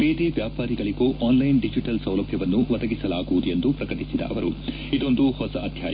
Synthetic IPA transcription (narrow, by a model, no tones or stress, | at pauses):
beːd̪eʋjaːpaːɾiɡɐɭiɡoːʔaːnlɐjnɖid͡ʒiʈɐlsɐwlɐbʱjɐʋɐnːuʋɐd̪ɐɡisɐlaːɡuʋːd̪ue̞nd̪upɾɐkɐʈisid̪ɐ̰ʔɐʋɐɾu | id̪o̞nd̪uhɔsɐɐd̪ʱjaːj